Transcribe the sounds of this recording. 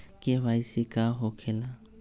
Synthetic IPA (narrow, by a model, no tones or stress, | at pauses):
kʼɪbaisɪkʼaɦʊkʰɛla